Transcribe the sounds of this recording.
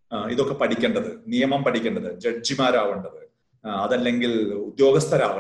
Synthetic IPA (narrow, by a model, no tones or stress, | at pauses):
iðokːe̞pɐʈʰikʲːeːɳɖɐðɨnijɐmɐmpɐʈʰikʲːeːɳɖɐðɨd͡ʑɐd͡ʑimaːɾaːʋuɳɖɐðɨ | ɐðɐlːe̞ŋɡilud̪jo̞ːɡɐst̪ʰɐɾaːʋ